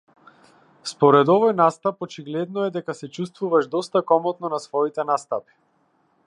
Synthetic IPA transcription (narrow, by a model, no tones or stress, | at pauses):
spɔɾɛd̪ɔvɔjnast̪apɔt͡ʃiɡlɛd̪nɔɛd̪ɛkasɛt͡ʃust̪vuvaʒd̪ɔst̪akɔmɔt̪nɔnasvɔit̪ɛnast̪api̥